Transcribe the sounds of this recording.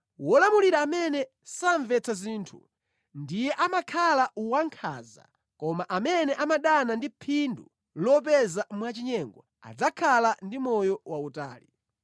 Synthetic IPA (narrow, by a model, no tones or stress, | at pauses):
wɔlamuliɾaːmɛnɛ | saɱvɛt͡sʰaziːntʰṵ | ndijɛʔamakʰalauwaŋkʰa̰za̰ | kɔmaʔamɛnɛʔamaɗanandipʰindṵ | lɔp̬ɛzamwat͡ʃiɲɛŋɡɔ | a̰d͡zakʰalandimɔjɔwauta̰ːli